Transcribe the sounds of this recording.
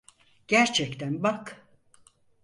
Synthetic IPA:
ɟ̥æɾt͡ʃʰɛct̪ʰænbak

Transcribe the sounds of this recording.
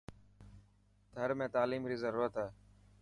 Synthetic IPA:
t̪ʰəɾmẽːt̪aːliːmɾiːzəɾuːɾət̪aː

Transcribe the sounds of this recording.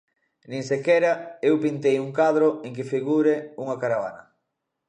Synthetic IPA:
nĩŋsekɛɾɐewpint̪ejuŋkaðɾoeŋk̬ɪfiɣuɾeuŋɐkaɾaβa̰nɐ

